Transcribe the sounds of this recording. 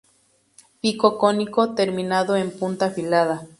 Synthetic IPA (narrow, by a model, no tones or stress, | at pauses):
ikokonikot̪eɾminaðoempunt̪afilaða